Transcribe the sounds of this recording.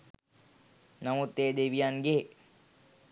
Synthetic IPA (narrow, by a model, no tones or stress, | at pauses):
namut̪ːeːd̪eʋijanɡe